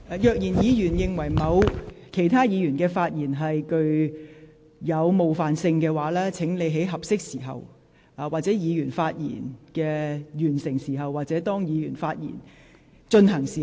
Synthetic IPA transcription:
ʔːjœː˨˧k̚jiː˨˩njiː˨˧jyː˨˩njɪ˨ŋwɐ˨˩jmɐ˨˧wkʰe˨˩jt̪ʰaː˥jiː˨˧ɥyː˨˩nkɛː˧faː˧t̚jiː˨˩nɦɐ˨jkɵ˧ɥ | jɐ˨˧wmo˨wfaː˨nsɪ˧ŋkɛː˧waː˨˥lɛː˥t͡sʰɪ˨˥ŋle˨˧jɦe˨˥jɦɐ˨p̚sɪ˥k̚siː˨˩ɦɐ˨w | ʔaː˨waː˨t̚t͡sɛː˨˥jiː˨˧jyː˨˩nfaː˧t̚jḭː˨˩nkɛː˧jyː˨˩nsɪ˨˩ŋsiː˨˩ɦɐ˨wːaː˨t̚t͡sɛː˨˥t̪ɔː˥ŋjiː˨˧jyː˨˩nfaː˧t̚jḭː˨˩n | t͡ʃɵ˧nɦɐ˨˩ŋsiː˨˩

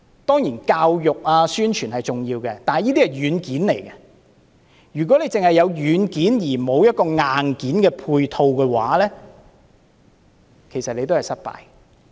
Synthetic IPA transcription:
t̪ɔː˥ŋjiː˨˩nkaː˧wjʊ˨k̚aː˧syː˥nt͡ʃʰyː˨˩nhɐ˨jt͡sʊ˨ŋjiː˧wkɛ˧t̪aː˨nhɐ˨jiː˥t̪i˥hɐ˨˩jɥyː˨˧nkiː˨˥nle˨˩jkɛ˧ | jyː˨˩k̬ʷɔː˨˥le˨˧jt͡sɪ˨ŋhɐ˨jɐ˨˧wjyː˨˧˥nkiː˨˥njiː˨˩mo˨˧wjɐ˥t̚kɔː˧ŋaː˨nkiː˨˥nkɛː˧pʰuː˧jt̪ʰo˧wkɛː˧wa̰ː˨˥lɛː˥ | kʰe˨˩sɐ˨t̚le˨˧jt̪o˥whɐ˨jsɐ˥t̚pa̰ː˧j

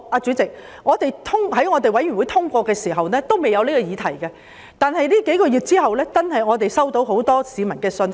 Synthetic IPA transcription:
aː˧t͡ʃyː˨˥t͡sɪ˨k̚ | ŋɔː˨˧t̪e˨jt̪ʰʊ˥ŋɦɐ˨˥jŋɔː˨˧t̪e˨jwɐ˨˥jyː˨˩wu˨˧jt̪ʰʊ˥ŋkʷɔː˧kɛː˧siː˨˩ɦɐ˨wnɛː˥t̪o˥wme˨jɐ˨˧wliː˥kɔː˧jiː˨˧t̪ʰɐ˨˩jkɛ˧ | t̪aː˨nɦɐ˨jliː˥ke˨˥jkɔː˧jyː˨˩t̚t͡siː˥hɐ˨wlɛː˥t͡sɐ˥nhɐ˨jŋɔː˨˧t̪e˨jsɐ˥wt̪o˨˥wɦo˨˥wt̪ɔː˥siː˨˧mɐ˨˩nkɛː˧sɵ˧n

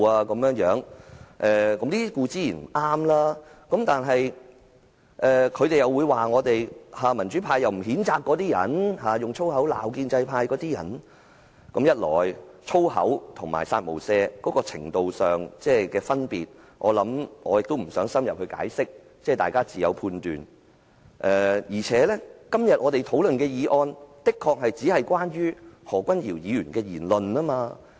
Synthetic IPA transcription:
aː˧kɐ˨˦mjœː˨˧˥ŋjœː˨˥ŋʔɛː˧kɐ˨˦mliː˥kuː˧t͡siː˨˥jiː˨˩n̩˨˩ʔaː˥mlaː˥kɐ˨˥mt̪aː˨nɦɐ˨j | ʔɛː˨kʰɵ˨˧ɥt̪e˨jɐ˨˩wuː˨˧jwaː˨˩ŋɔː˨˧t̪e˨jhaː˨˧mɐ˨˩nt͡ʃyː˨˥pʰaː˧jɐ˨wm̩˨˩ɦiː˨˥nt͡saː˧kːɔː˨˥t̪iː˥jɐ̰˨˩nhaː˨˧jʊ˨ŋt͡ʃʰo˥wɦɐ˨˥wla̰ː˨wkiː˧nt͡sɐ˧jpʰaː˧jkɔː˨˥t̪iː˥jɐ̰˨˩n | kmjɐ˥t̚lɔ̰ː˨˩jt͡sʰo˥whɐ̰˨˥wt̪ʰʊ˨˩ŋma̰ː˨˩jsa̰ː˧t̚mo̰˨˩wsɛː˧kɔː˨˦˥kɔː˧t͡sʰɪ̰˨˩ŋt̪o˨wsœː˨˩ŋt͡sɛː˥kɛː˧fɐ˥npiː˨t̚ | ʔɔː˨˧lɐ˨˧˥mɔ̰ː˨˧jɪ˨k̚t̪o˥wm̩˨˩sœː˨˥ŋsɐ˥mjɐ˨p̚hɵ˧ka̰ː˨˥jsɪ˥k̚ | t͡sɛː˥˩t̪aː˨jkaː˥t͡siː˨jɐ˨˧wpʰuː˧nt̪yː˨n | ʔɛː˨jiː˨˩t͡sʰɛː˨˥lɛ˥kɐ˥mjɐ˨t̚ŋɔː˨˧t̪e˨jt̪ʰo˨˥wlɵ˨nkɛː˧jiː˨˧ʔɔː˧nt̪ɪ˥kʰːɔː˧k̚hɐ˨jt͡siː˨˥hɐ˨jkwaː˥nɥyː˥hɔː˨˩kʷɐ˥njiː˨˩wjiː˨˧jyː˨˩nkɛː˧jiː˨˩nlɵ˨naː˥maː˧

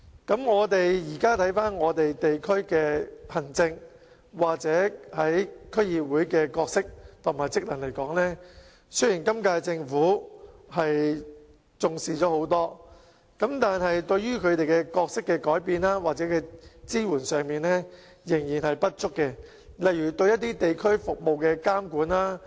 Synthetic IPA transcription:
kɐ˨˥mŋɔː˨˧t̪e˨jjiː˨˩kaː˥t̪ʰɐ˨˥jfaː˥nŋɔː˨˧t̪e˨jt̪e˨jkʰɵ˥ɥkɛː˧pʰɐ˨˩ŋt͡sɪ˧ŋ | waː˨˩k̚t͡sɛː˨˥hɐ˨˥jkʰɵ˥ɥjiː˨p̚wuː˨˥jkɛː˧kɔː˧k̚sɪ˥k̚t̪ʰʊ˨˩ŋmaː˨˩jt͡sɪ˥k̚lɐ˨˩nle˨˩jkɔː˨˥ŋlɛː˥ | sɵ˥jiː˨˩nkɐ˥mkaː˧jt͡sɪ˧ŋfuː˨˥hɐ˨j | t͡sʊ˨ŋsiː˨t͡ʃɔː˨˦˥ho˨˥wt̪ɔː˥ | kɐ˨˥mt̪aː˨nɦɐ˨jt̪ɵ˧ɥjyː˥kʰɵ˨˧ɥt̪e˨jkɛ˧kɔː˧k̚sɪ˥kːɛː˧kɔː˨˥jpiː˧nlaː˥waː˨k̚t͡sɛː˨˥kɛː˧t͡siː˥wuː˨˩nsœː˨˩ŋmiː˨nlɛː˥ | jɪ˨˩ŋjiː˨˩nhɐ˨jpɐ˥t̚t͡ʃʊ˥kːɛ˧ | lɐ˨jɥyː˨˩t̪ɵ˧ɥjɐ˥t̚t̪iː˥t̪e˨jkʰɵ˥ɥfʊ˨k̚mo˨wkɛː˧kaː˥mkuː˨˥nlaː˥

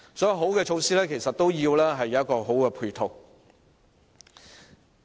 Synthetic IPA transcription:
sɔː˨˥jɐ˧wɦo˨˥wkɛː˧t͡ʃʰo˨˧wsiː˥lɛː˥kʰe˨˩jsɐ˨t̚t̪o˥wjiː˧wlɛː˥ɦɐ˨jːɐ˨wjɐ˥t̚kːɔː˧ɦo˨˥wkɛː˧pʰuː˧jt̪ʰo˨w

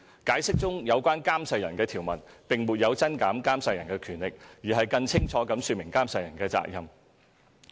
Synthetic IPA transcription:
kaː˨˥jsɪ˥k̚t͡sʊ˥ŋjɐ˨˧wkʷaː˥nkaː˥msɐ˧jɐ˨˩nkɛː˧t̪ʰiː˨˩wmɐ˨˩npɪ˨ŋmu˨t̚jɐ˨˧wt͡sɐ˥nkaː˨˥mkaː˥msɐ˧jɐ˨˩nkɛː˧kʰyː˨˩nlɪ˨k̚jiː˨˩ɦɐ˨jkɐ˧ŋt͡sʰɪ˥ŋt͡sʰɔː˨˥kɐ˨˥msyː˧t̚mɪ˨˩ŋkaː˥msɐ˧jɐ˨˩nkɛː˧t͡sa̰ː˧˥k̚jɐ˨m

